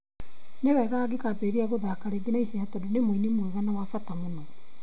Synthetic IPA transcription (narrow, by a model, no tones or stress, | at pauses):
neɣɛɣaːɡekapeɾiaɣoðakaɾeɡinaiheatɔdoneminimweɣanawafatamonɔ